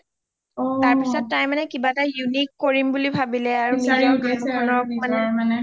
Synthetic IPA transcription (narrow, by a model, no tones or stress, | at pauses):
ɔtaɹpissɔtːajmanɛkibatajunikːoɹimbulibʱabilɛaɹuniɔkɔnɔmanɛanɛ